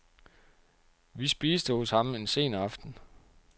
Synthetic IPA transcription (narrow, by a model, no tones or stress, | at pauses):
ʋisb̥iːsd̥əhɔshɑ̈me̝nse̝̰ːnɑfd̥n̩